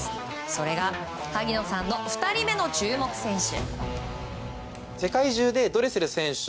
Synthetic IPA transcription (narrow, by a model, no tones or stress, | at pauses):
so̞ɾe̞ɡa | haɡʲino̞sãnːo̞ɸɯ̟̥t̪aɾʲime̞no̞t͡ɕɨːmo̞kɯ̟̥sẽ̞ɰ̃ɕɨ̰ | se̞kaiʑɨːd̪e̞d̪o̞ɾe̞sɨɾɯ̟sẽ̞ɰ̃ɕ